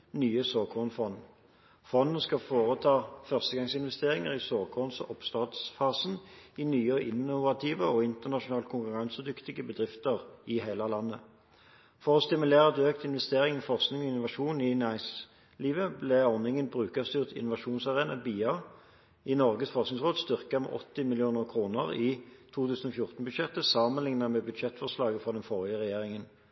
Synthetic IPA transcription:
nyːəsoːkʰɔnfɔn | fɔnːənskɑfoːʁət̪ʰɑːfœʁst̪əɡɑŋsɪnʋɛst̪eːʁɪŋəʁɪsoːkʰɔnsʔɔpst̪ɑːd̪sfɑːsnɪnyːɔʔɪnːʊʋɑt̪ʰiːʋəɔɪnt̪əʁnɑʃʊnɑːlkʰʊŋkʉʁɑnsəd̪ʏkt̪ɪɡəbəd̪ʁɪft̪əʁɪheɪləlɑnːə | fɔʁɔst̪ɪmʉlæːʁt̪øːkt̪ɪnʋɛst̪eːʁɪŋfɔʁsknɪŋɔɪnʊʋɑʂuːnɪnæɪs | liːʋəblɛɔnɪŋənbʁʉːkɑst̪yːʁt̪ɪ̰nʊʋɑʃuːnsɑʁeːnɑbiːɑ | ɪnɔʁɡəsfɔsnɪŋsʁoːd̪st̪ʏʁkɑmɛ̰ʔɔ̰t̪ːɪmɪlɪuːnəʁkʰʁuːnəʁɪt̪ʰuːt̪ʰʉːsən̩ɔfjʊʁt̪ən̩bʉd̪ʃɛt̪ːəsɑmənlɪŋnɑmɛbʉd̪ʃɛt̪fɔʁslɑːɡəfʁɔd̪ɛnfoːʁɪəʁɛjeːʁɪŋən

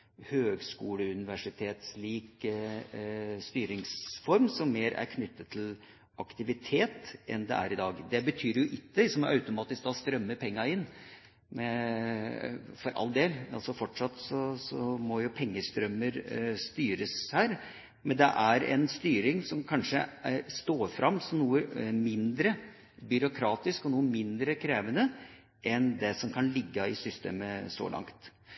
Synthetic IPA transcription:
høːɡskuːləʉnɪʋæʂɪt̪ʰeːt̪sliːk | st̪yːɾɪŋsfɔɾmsɔmːeːɾæ̰ɾkʰnʏt̪ʰːət̪ʰːɪl | ʔɑkt̪ɪʋɪt̪ʰeːt̪ɛ̰nd̪ɛ̰ʔæ̰ɾɪd̪ɑːɡd̪ɛbət̪ʰyːɾjʊʔɪt̪ːəsɔmɾʔɑʉt̪ʊmɑːt̪ɪskɑst̪ɾœmːəpʰɛŋːɑɪnː | mɛ | fɔɾʔɑ̰lːd̪eːlɑlsɔfɔʈʂɑt̪sɔsɔmɔjʊpʰɛŋːəst̪ɾœmːəɾst̪yːɾəshæːɾ | mɛnd̪ɛ̰ʔæɾɛ̰nst̪yːɾɪŋsɔmkʰɑnʂəst̪oːfɾɑmːsɔmnuːəmɪnd̪ɾə | bʏɾʊkʰɾɑːt̪ɪskɔnuːəmɪnd̪ɾəkʰɾeːʋənə | ʔɛnd̪ɛsɔmkʰɑnlɪɡːəɪsʏst̪ḛːməso̰ːlʔɑ̰ŋt̪

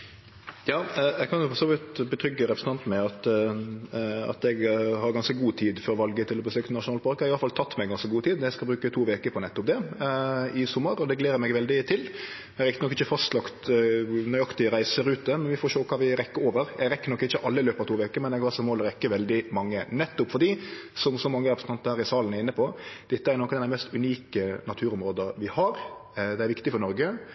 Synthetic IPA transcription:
jɑːɛɡkʰɑnjʊfɔɾsoːʋɪt̪bət̪ʰɾʏɡːəɾɛpɾsn̩t̪ɑnt̪mɛɑt̪ | ɑ̰t̪ɛɡhɑɾɡɑnskəɡuːt̪ʰiːd̪fɔɾʋɑlɡət̪ʰɪlɔbəsøːkt̪ənɑʂʊnɑːləpʰɑɾkəɑɾɪɑləfɑlt̪ʰɑt̪ːmɛɡɑnskəɡuːt̪ʰiːd̪ɛskɑlbɾʉːkət̪ʰuːʋeːkəɾpʰɔnɛt̪ːɔp̚d̪ɛ | ɪsɔmːəɾɔd̪ɛɡleːɾəɾmɛɡʋɛld̪ɪt̪ʰɪl | ɛɡɾɪkt̪ənɔkːɪçəfɑst̪lɑkt̪nœʏɑkt̪ɪəɾæɪsəɾʉːt̪̚d̪ɛmɛnʋɪfoːɾʃoːkʰɑːʋɪɾɛkːəɾoːʋəɾjɛɡɾɛkːəɾnɔkːɪçːəʔɑlːəɪløːpɑʋt̪uːʋeːkəɾmɛnɛɡhɑɾsɔmoːlɔɾɛkːəʋɛld̪ɪmɑŋːənɛt̪ːʊpfɔdɖiːsɔmsɔmɑŋːəɾɛpɾəsn̩ɑnt̪əɾhæːɾɪsɑːlənæɾɪnːəpʰɔd̪̥ɛt̪ːəæɾnɔkːɔnɛd̪æɪmɛst̪ʉniːkənɑt̪ʰʉːɾʊmɾoːd̪əʋɪhɑɾd̪ɛæɾʋɪkt̪ɪfɔɾnɔɾɡə

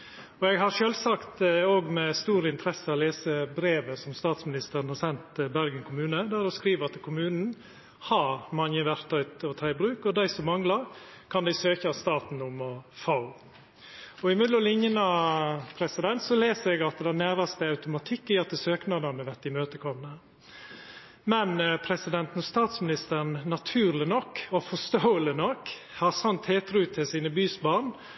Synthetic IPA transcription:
ɔɛɡɦɑɾʃøːlsɑkt̪oːɡmɛst̪uːɾəɪnt̪ʰɾɛsːəɑleːsəbɾeːʋəsɔmst̪ɑːt̪smɪnɪst̪əɾnhɑɾsɛnt̪bæɾɡənkʰʊmʉːnəd̪ɛɾɔskɾiːʋɑt̪kʰʊmʉːnn̩ | hɑɾɾmɑnjəʋæɾt̪ʰɑʏt̪ɔt̪ʰɑɪbɾʉːkɔd̪æɪsɔmːɑŋlɑɾ | kʰɑnd̪æɪsøːçəɑst̪ɑːt̪n̩ʊmɔfɑʊ | ɔɪmɪd̪lɔlɪɲːənɑpʰɾɛsɪd̪ɛnt̪sɔleːsəɾɛɡɑt̪̚d̪ænæːɾɑst̪əɑʉt̪ʊmɑt̪ʰɪkːɪɑt̪ːəsøːknɑd̪ɑnəʋɛt̪ɪmøːt̪əkʰɔmnə | mɛnpʰɾɛsɪd̪ɛnt̪n̩ɔst̪ɑːt̪smɪnɪst̪əɾnnɑt̪ʰʉːɾlɪnɔkːɔfɔst̪oːəlɪnɔkː | hɑɾsɑnt̪heːt̪ɾʉt̪ʰɪlsiːnəbyːsbɑɾɳ

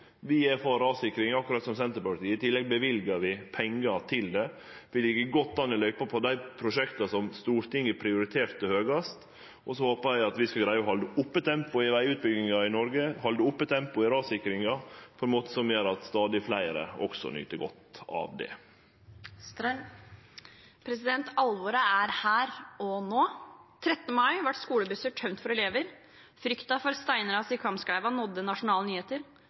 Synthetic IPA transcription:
ʋɪæɾfɑːɾɑːʋsɪkːɾɪŋɑkːʊɾɑt̪sɔmsɛnt̪əɾpɑlt̪iːɪt̪ʰɪlːɛɡ̚bəʋɪlɡɑɾʋɪpʰɛŋːɑt̪ʰɪld̪ɛ | ʋɪlɪɡəɡɔt̪ːɑnːɔlœʏpɑpʰɔd̪æɪpʰɾʊʂɛkt̪ɑsɔmst̪uːɾt̪ɪŋːəpʰɾɪʊɾɪt̪ʰeːɾt̪ːɪhøːɡɑst̪ | ʔɔsɔhoːpəɾjæɪɑt̪ʋɪskɑɡɾæɪəɔɦɑld̪əʊpːət̪ʰɛmpʊɪʋæɪʉːt̪̚bʏɡɪŋɑɪnɔɾɡəhɑld̪əʊpːət̪ʰɛmpʊɪɾɑːsɪkɾɪŋɑpʰɔɛnmoːt̪ə̥sɔmjøːɾɑt̪st̪ɑːd̪ɪflæɪɾə̰ɔ̰ksɔ̰ny̰ːt̪əɡɔt̪ɑ̰ʋd̪ɛ̰ | pʰɾɛsɪd̪ɛnt̪ʰɑlʋoɾəæɾhæːɾɔnoːt̪ʰɾɛt̪nəmɑɪʋæʈːskuːləbʏsəʈʰœmnt̪fɔɾɛleːʋəɾ | fɾʏkt̪ɑfɔɾst̪æɪnəɾɑsɪkʰɑmskɽæɪʋɑnɔd̪ːənɑʂʊnɑːlənyːeːt̪əɾ

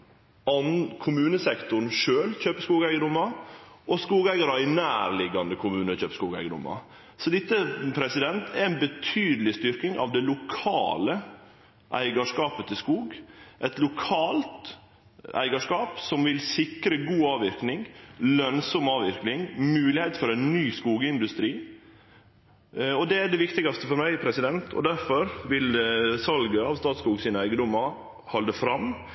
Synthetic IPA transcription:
ɑnkʰʊmʉːnəsɛkt̪ʊɳʂøːlc͡çøːpəskuːɡæɪɡəd̪ʊmɑʔɔskuːɡæɪɡɑɾɑɪnæːɾlɪɡɑnd̪əkʰʊmʉːnəc͡çøːpə̥skuːɡæ̰ɪɡəd̪ʊ̰mːɑ̰ | sɔd̪ɪt̪ːəpʰɾɛsɪd̪ɛnt̪ɛɾɪnbət̪ʰyːd̪əlɪst̪ʏɾkɪŋʔɑ̰ʋd̪ɛlʊkʰɑ̰ːlə | ʔæ̰ɪɡɑʂkɑːpət̪ʰɪskuːɡʔɛt̪lʊkʰɑːlt̪ | æ̰ɪɡɑʂkɑːpsɔmʋɪlsɪkɾəɡuːɑːʋɪɾknɪŋlœnsɔmɑːʋɪɾknɪŋmʉːlɪhɛɪt̪fɔɾɛɪnnyːskuːɡəɪnd̪ʉst̪ɾiː | ɔd̪ɛæɖɛʋɪkt̪ɪɡɑst̪əfɔɾmæɪpʰɾɛsɪd̪ɛnt̪ʰɔ̰d̪æɾfɔɾʋɪlsɑlɡəɑːʋst̪ɑːt̪skuːɡsiːnəæɪɡəd̪ɔmːɑ | hɔld̪əfɾɑm

